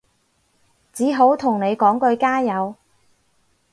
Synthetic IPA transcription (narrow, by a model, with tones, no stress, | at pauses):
t͡siː˨˥ɦo˨˥wt̪ʰʊ˨˩ŋne˨˧jkɔː˨˥ŋkɵ˧ɥkaː˥jɐ˨˧w